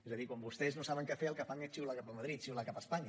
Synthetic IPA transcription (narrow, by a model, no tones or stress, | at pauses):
ezəðikwambust̪ɛznosaβəŋkɛfeəlˠkəfaŋet͡ʃiwlakapəməðɾit̪̚t͡ʃiwlakapəspaɲa